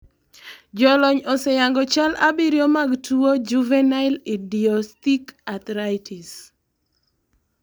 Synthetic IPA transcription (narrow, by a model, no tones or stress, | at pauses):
d͡ʒɔlɔɲɔsɛjaŋɡɔt͡ʃalʔabiɾjomaɡtuod͡ʒuvɛnaɪlidiɔstikat̪ɾajtis